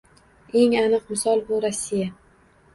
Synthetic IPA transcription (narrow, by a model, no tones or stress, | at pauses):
e̞ŋanɨqmɪsɒlˠbʊɾasːija